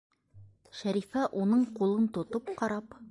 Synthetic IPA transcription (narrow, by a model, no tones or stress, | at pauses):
ʃæɾifæʔunɤɴqulˠɤnt̪ŏt̪opqɑɾɑp